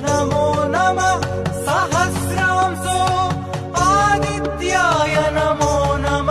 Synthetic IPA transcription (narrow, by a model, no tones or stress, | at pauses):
nɐmoːnɐmɐ | sɐɦɐskɾaːmso | paːd̪it̪jaːjɐnɐmoːnɐm